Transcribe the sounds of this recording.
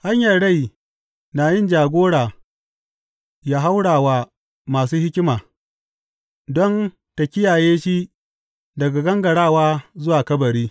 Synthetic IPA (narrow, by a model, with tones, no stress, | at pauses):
ha˦ɲjɐ˨ɽa˦˨j | naː˨jɪ˦nd͡ʒaː˨ɡʷoː˦ɽaː˨ | jaː˦ɦa˦wɽaː˨waː˨ | maː˨s̬uː˦hɪ˦kʲɪ˦maː˨ | dɔ˦n | ta˨kʲɪ˦jaː˨jeː˦ʃi˦ | dɐ˨ɡa˨ɡɐ˦ŋɡɐ˨ɽaː˦˨waː˦zʊ˦waː˨kɐ˦bɐ˨ɾiː˦